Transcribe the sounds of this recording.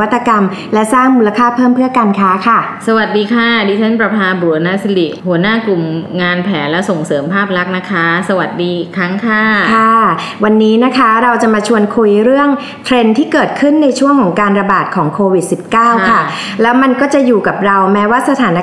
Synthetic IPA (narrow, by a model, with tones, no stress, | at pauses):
a˦˥t̪ːa˧ka˧m | lɛ˦˥saː˥˩ŋmuː˧la˧kʰaː˥˩pʰːɤː˥˩mpʰɯ˥˩əkaː˧nkʰaː˦˥kʰa˥˩sa˧wa˨˩t̪̚diː˧kʰaː˥˩diː˧t̪ʰa˦˥˩npɾa˧pʰaː˧bu˨˩˦na˦˥sa˧li˨˩ʔhu˩˦ənaː˥˩ku˨˩mŋaː˧npʰɛː˩˦nlɛː˦˥wso˨˩ŋsɤː˩˦mpʰaː˥˩p̚ɾa˦˥k̚na˦˥kʰa˦˥sa˧wa˨˩t̪̚diː˧kʰɾa˦˥ŋkʰaː˥˩kʰa˥˩ | wa˧nːiː˦˥na˦˥kʰa˦˥ɾa˧wt͡ɕa˨˩maː˧t͡ɕʰu˧ənkʰu˧jɾɯ˥˩əŋ | t̪ʰɾe˧nt̪ʰiː˥˩kɤː˨˩t̪̚kʰɯ˥˩nːa˧jt͡ɕʰu˥˩əŋkʰɔː˩˦ŋkaː˧nɾa˧baː˨˩t̪̚kʰɔː˩˦ŋkʰoː˧wi˨˩t̪̚si˨˩p̚kaː˥˩wkʰa˥˩ | lɛː˦˥wma˧nkɔː˥˩t͡ɕa˨˩juː˨˩ka˨˩p̚ɾa˧wmɛː˦˥waː˥˩sa˧t̪ʰaː˩˦na˦˥